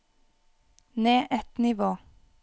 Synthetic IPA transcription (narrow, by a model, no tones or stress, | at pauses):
neːʔɛt̪nɪʋoː